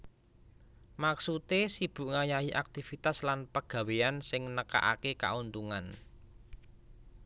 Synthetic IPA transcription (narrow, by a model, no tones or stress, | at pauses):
maksut̪esib̥ṳʔŋajaɦiʔak̚t̪ifit̪aslanpəɡ̥ä̤weansɪŋnəka̰ʔa̰keka̰unt̪uŋan